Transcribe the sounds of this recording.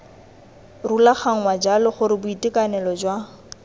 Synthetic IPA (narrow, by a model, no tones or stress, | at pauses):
rulaχaŋ̩wad͡ʒalɔχʊɾɪbʊitɪkanɛlɔd͡ʒwa